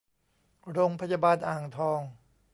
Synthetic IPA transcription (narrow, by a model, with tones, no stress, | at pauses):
ɾoː˧ŋpʰa˧jaː˧baː˧nʔaː˨˩ŋt̪ʰɔː˧ŋ